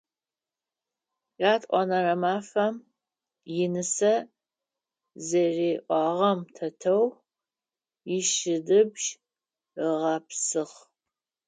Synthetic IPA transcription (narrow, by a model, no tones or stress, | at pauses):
jaːtʼʔʷɔ̰nɐrɐmaːfɐm | jɪnɨsɐ | zɐreːʔʷɑːʁɐmtʰɐtʰɐw | jɪʃɪdɨbʒ | əʁɐpsɨχ